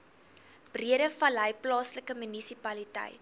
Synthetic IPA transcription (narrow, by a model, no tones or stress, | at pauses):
b̥riəɾəfɐlɦəjplɑːsləkəmynisipɐlitɛ̰jt